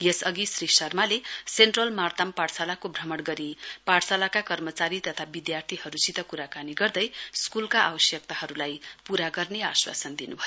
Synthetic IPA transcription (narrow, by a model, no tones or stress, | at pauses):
jesʌɡisrisʌrmaleseɳʈrʌlmart̪ampaɽsalakobʱrʌmʌɽɡʌɾipaɽsalakakʌrmʌt͡saɾit̪ʌt̪ʰabid̪jart̪ʰiɦʌɾut͡sit̪ʌkuɾakaniɡʌrd̪ʌjskulkaʔabʌsjʌk̚t̪aɦʌɾulajpuɾaɡʌrneaswa̰sʌnd̪inubʱʌjo